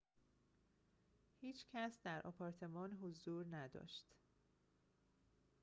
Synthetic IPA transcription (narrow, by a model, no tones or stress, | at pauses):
hiːt͡ʃcʰæsd̪æɾʔɒ̰ːpʰɒːɾt̪ʰe̞mɒːnɦozuːɾnæd̪ɒ̰ːʃt̪